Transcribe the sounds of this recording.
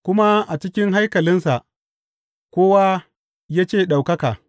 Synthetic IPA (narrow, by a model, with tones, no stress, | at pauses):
kʷʊ˦ma˦ʔa˨t͡ʃɪ˦kʲɪ˦ŋɦa˦jkɐ˨lɪ˦nsa˨ʔ | kʷoː˦wa˦ | jaː˦t͡ʃeː˦˨ɗa˨wkɐ˦kaː˨